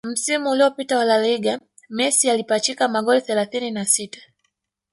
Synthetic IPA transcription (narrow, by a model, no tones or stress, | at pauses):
m̩simuːliɔpitawalaliɡa | mɛsialipat͡ʃikamaɠɔliθɛlaθininasitḁ